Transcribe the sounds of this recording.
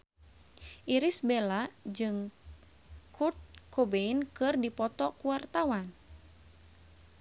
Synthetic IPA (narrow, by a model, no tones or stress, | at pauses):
ʔiɾisbelad͡ʒɨŋ | kʰurt̪̚kobeinkɨrdipɔt̪ɔkuwart̪awan